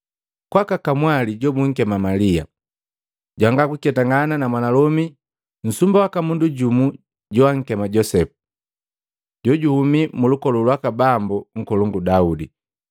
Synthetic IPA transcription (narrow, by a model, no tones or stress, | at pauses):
kwakakamwaliɟɔmuŋ̩kɛmamalia̰ | ɟwaŋɡakukɛtaŋɡananamwanalɔmi | n̩sumbawakamunduɟumu | ɟɔwaŋ̩kɛmaɟɔsɛpu̥ | ɟɔɟuhumimulukɔlulwakabambuŋ̩kɔluŋɡudaudi